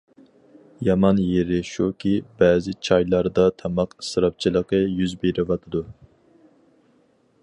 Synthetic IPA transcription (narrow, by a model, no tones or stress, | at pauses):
jɑmɑnjeɾɪʃukʲʰibɛːzɪt͡ʃʰɑjlˠɑɾd̪ɑt̪ʰɑmɑqʰə̥sɨɾɑp̚t͡ʃʰilˠəqəjyzbeɾɪvɑt̪ʰɨd̪u